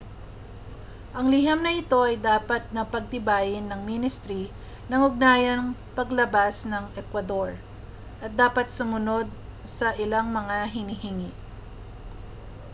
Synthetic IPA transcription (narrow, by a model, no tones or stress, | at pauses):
ʔɐŋlihɐmnɐʔɪt̪o̞ʔɐjd̪aːpɐt̪̚nɐpɐɡ̚t̪ɪbaːjɪnːɐŋminɪst̪ɾi | nɐŋʊɡ̚naːjɐnŋpɐɡlɐbasnɐŋʔɛkwɐd̪o̞ɹ | ʔɐt̪̚d̪aːpɐt̪̚sʊmʊno̞d̪̚sɐʔɪlaŋmɐŋaɦɪnihɪŋi